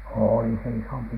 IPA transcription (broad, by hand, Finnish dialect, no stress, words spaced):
oːli se isompi